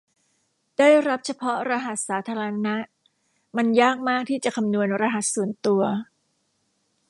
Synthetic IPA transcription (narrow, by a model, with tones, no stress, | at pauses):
d̥aː˥˩jɾa˦˥p̚t͡ɕʰa˧pʰɔ˦˥ɾa˧ɦa˨˩t̪̚saː˩˦t̪ʰaː˧ɾa˧na˦˥ʔ | ma˧njaː˥˩k̚maː˥˩k̚t̪ʰiː˥˩t͡ɕa˨˩kʰa˧mnu˧ənɾa˧ɦa˨˩t̪̚su˨˩ənt̪u˧ɐ